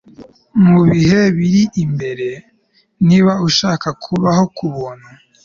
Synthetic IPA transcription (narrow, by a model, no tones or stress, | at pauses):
muβiheβiɾiʔimbe̞ɾe̞ | niβauʃaːkakʰuβaho̞kʰuβona